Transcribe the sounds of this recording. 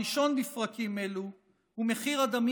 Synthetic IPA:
iʃo̞nnifʁakimelu | hume̞χiʁad̪am

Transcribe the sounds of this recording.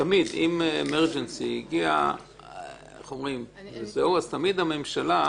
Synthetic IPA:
t̪amid̪imemeʁd͡ʒensiiɡia̰ | χo̞mʁimvezeuazt̪amid̪ame̞mʃala

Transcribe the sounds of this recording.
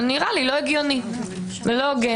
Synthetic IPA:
niʁalilo̞eɡjoni | velo̞ɡe

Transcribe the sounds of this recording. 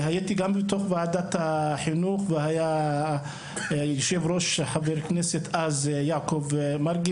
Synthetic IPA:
hajit̪iɡambet̪oχvaʕad̪at̪haħinuχvehaja | jiʃevɾo̞ʃħaveɾkneset̪azjaʕkovmaɾɡi

